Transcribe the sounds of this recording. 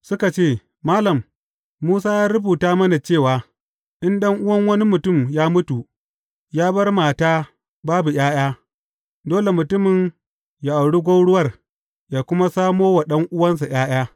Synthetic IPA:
sʊ˦ka˨t͡ʃeː˦˨ | maː˦lɐ˨mː | uː˦s̬aː˦jaː˦ɾɪ˦buː˨taː˦mɐ˦na˨t͡ʃeː˦˨waː˨ | ʔɪ˦nɗɐ˦ŋʔʊ˦wɐ˦ŋwɐ˦ni˦mʊ˨tʊ˦˨mjaː˦mʊ˦tu˨ʔ | jaː˦bɐ˦rmaː˨taː˦ | baː˦bu˨j̰ʲaː˦j̰aː˦ | doː˦le˨mʊ˨tʊ˦mɪ˨n | ja˨ʔa˨wɽi˦ɡʷɐ˦wɽʊ˦wɐ˦˨r | jaː˨kʷʊ˦ma˦saː˦moː˦wa˨ɗɐ˦ŋʔʊ˦wɐ˦ns̬a˨j̰aː˦j̰aː˦

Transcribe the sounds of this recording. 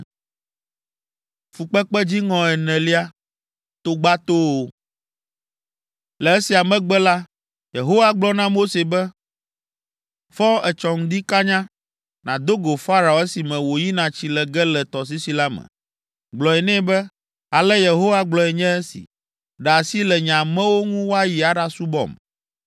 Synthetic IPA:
fu˨k͡pɛ˦k͡pɛ˦d͡ʑi˦ŋɔ̃˨ɛ˨nɛ̃˨li˦a˦ | t̪o˦ɡ͡ba˦t̪o˦o˦ | lɛ˨ɛ˦si˨a˨mɛ̃˦ɡ͡bɛ˦la˦ | je˨ɦo˦wa˦ɡ͡blɔ˦nã˦mo˦se˨bɛ˦ | fɔ˦ɛ˨t͡ʃɔ˨ŋ̩̃˦d̪i˦ka˦ɲã˦ | nã˨d̪o˦ɡo˨fa˦ɾa˨o˨ɛ˦si˨mɛ̃˨wo˨ji˦nã˨t͡ɕi˦lɛ˨ɡɛ˦lɛ˨t̪ɔ˨s̬i˦si˨la˦mɛ̰̃˨ | ɡ͡blɔ˨ɛ˨nɛ̃˦bɛ˦ | a˨lɛ˦je˨ɦo˦wa˦ɡ͡blɔ˨ɛ˨ɲɛ̃˦ɛ˦sḭ˨ | ɖa˨si˦lɛ˨ɲã˨mɛ̃˦wo˦ŋũ˦wo˦a˦ji˨a˨ɖa˦su˦bɔ̰˨m

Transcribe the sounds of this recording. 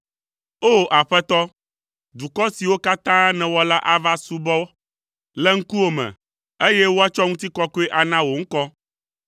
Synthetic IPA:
o˦ʔa˨ɸɛ˦t̪ɔ˦ | d̪u˨kɔ˦si˨wo˦ka˦t̪ã˦nɛ̃˨wɔ˦la˦ʔa˦va˦su˦bɔ˦ | lɛ˦ŋ̩˦ku˦o˦mɛ̰̃˨ | e˦jɛ˦wo˦a˦t͡ʃɔ˦ŋũ˦t̪i˦kɔ˦ko˦ɛ˦ʔa˨nã˦wo˨ŋ̩˦kɔ˦

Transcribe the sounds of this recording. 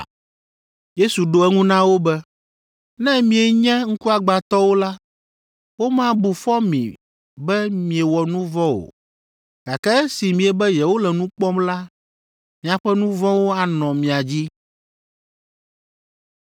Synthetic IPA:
je˦su˨ɖo˦ɛ˦ŋũ˦nã˦wo˦bɛ˦ | nɛ̃˦mĩ˨ɛ˨ɲɛ̃˦ŋ̩˦ku˦a˨ɡ͡ba˨t̪ɔ˦wo˦la˦ | wo˦mã˦bu˨fɔ˦mḭ̃˨ | bɛ˦mĩ˨e˨wɔ˨nũ˦vɔ̃˦o̰˨ | ɡ̥a˨kɛ˦si˨mĩ˨ɛ˨bɛ˦jɛ˨wo˦lɛ˨nũ˦k͡pɔ˦mla˦ | mĩ˨a˨ɸɛ˦nũ˦vɔ̃˦wo˦a˨nɔ̃˨mĩ˨a˨d͡ʑi˦

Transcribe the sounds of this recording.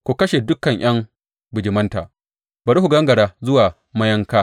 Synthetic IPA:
kʷu˨kɐ˦ʃe˨dʊ˦kɐ˨ɲj̰ɐ˦ŋ | bʊ˨d͡ʒɪ˨mɐ˦nta̰ː˨ | bɐ˨ɾi˦hu˨ɡɐ˦ŋɡɐ˨ɽaː˦zʊ˦waː˨ | mɐ˦jɐ˦ŋkaː˦

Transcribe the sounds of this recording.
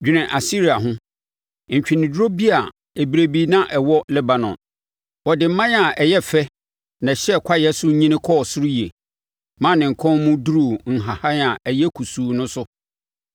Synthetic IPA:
d͡ʑᶣi˨nɪ̃˨ʔa˨si˦ɾi˨a˨ɦʊ̃˦ | ɲ̩˨t͡ɕᶣi˨nɪ̃˨dɾo˦bi˦a˨ | e˨bi˨ɾe˨bi˦nã˦ʔɛ˨wɔ˦lɛ˦ba˨nɔ̰̃˨n | wɔ˨dɪ˨m̩˦mã˦n˦a˨ʔɛ˨jɛ˦fɛ˦ | nã˨ɕɛ˦˨kʰa˦jɛ˦sʊ˦ɲĩ˦nɪ̃˦kʰɔː˦˨sʊ˦ɾu˦ji˨e˨ | mã˦˨nɪ̃˨ŋ̩˨kʰɔ̃˦nmũ˦du˦ɾu˨ŋ̩˨ɦa˨ha˦a˨ɛ˨jɛ˦kʰu˨suː˨nʊ̃˦sʊ˦

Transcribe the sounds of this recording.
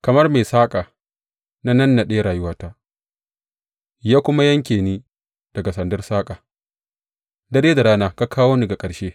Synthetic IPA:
kɐ˨mɐ˦rmeː˨saː˦kʼaː˨ | na˦nɐ˦nːa˨ɗe˦a˦ɽaː˨jʊ˦waː˦ta˦ | jaː˦kʷʊ˦ma˦jɐ˦ŋkʲeː˨niː˦ | d̥ɐ˨ɡa˨sɐ˨ndɐ˦rsaː˦kʼaː˨ | dɐ˦˨ɽeː˦da˨ɽaː˦naː˦ka˦kʰaː˦woː˦ni˦˨ɡa˨kʼɐ˨ɽʃeː˦

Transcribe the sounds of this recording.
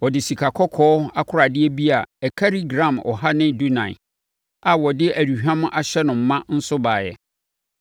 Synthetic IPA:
wɔ˨dɪ˨si˨kʰa˨kʰɔ˦kʰɔː˦a˦kʰʊ˦ɾa˨dɪ˦ɛ˦bi˦a˨ɛ˨kʰa˦ɾi˦ɡɾã˨mɔ̰˨ɦa˦nɪ̃˦du˦nã̰˨ɪ̰˨ | a˨wɔ˨dɪ˦ʔæ˨di˨hᶣã˦mʊ̃˦ʔa˨ɕɛ˦nʊ̃˨m̩˦mːã˦n̩˦sʊ˦baː˨jɛ̰˨

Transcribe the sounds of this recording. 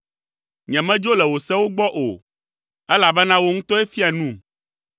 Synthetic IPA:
ɲɛ̃˨mɛ̃˦d͡ʒo˦lɛ˨wo˨sɛ˦wo˦ɡ͡bɔ˦ʔo̰˨ | ɛ˦la˨bɛ˦nã˦wo˦ŋũ˦t̪ɔ˦ɛ˦fi˦a˨nũ˦˨

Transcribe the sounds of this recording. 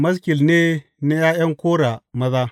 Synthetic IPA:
mɐ˦skʲɪ˨lne˦ | na˦jaː˦jɐ˦ŋkʷoː˦ɽa˨mɐ˦zaː˦

